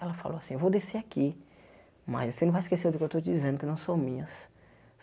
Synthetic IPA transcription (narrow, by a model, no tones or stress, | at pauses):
ɛlɐfa̰lowasĩewvowd̪eseaki | mɐ̰zosenɐ̃vajiskeseɾd̪ʊkɪewt̪owt͡ʃɪd͡ʒizẽnd̪ʊkɪnɐ̃w̃sõw̃mĩɲɐs